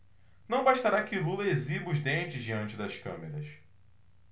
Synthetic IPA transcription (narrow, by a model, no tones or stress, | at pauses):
nɐ̃w̃baʃt̪aɾakɪlulɐezibʊzd̪ẽnt͡ʃɪzd͡ʒiɐ̃nt͡ʃɪd̪ɐskɐ̃meɾɐs